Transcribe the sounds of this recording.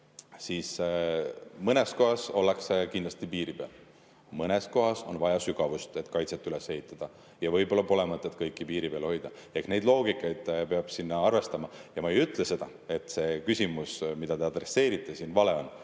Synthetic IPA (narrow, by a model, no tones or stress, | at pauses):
siːs | mɤnesko̞ɦɑso̞lːekskind̪lɑst̪ipiːɾipeɑ̰l | mɤnesko̞ɦɑso̞̰nvɑjɑsyɡ̥ɑvust̪e̞t̪kɑjt̪set̪ːˑylese̞ɦit̪ˑːɑd̪̥ɑ | jɑvɤjbo̞lːɑpo̞lemɑt̪ːˑet̪ːˑkɤjkːˑipiːɾipelho̞jd̪̥ɑehkne̞jd̪lo̞ːɡ̥ikːˑɑjd̪̥pe̞ɑb̥sinːɑɑrve̞st̪ɑmɑjɑmɑejyt̪ˑlese̞d̪ɑ | e̞t̪ˑse̞kysʲimusmid̪̥ɑd̪e̞ɑd̪̥re̞sːe̞ːɾit̪ːˑesiːnvɑle̞o̞n